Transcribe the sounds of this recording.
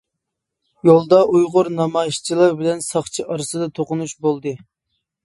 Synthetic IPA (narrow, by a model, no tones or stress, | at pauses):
jolˠd̪ɑʔujʁʊɾnɑmɑjʃt͡ʃʰilˠɑɾbɪlɛnsɑχt͡ʃʰiʔɑɾɨsɨd̪ɑt̪ʰoqʊnuʃbolˠd̪ɨ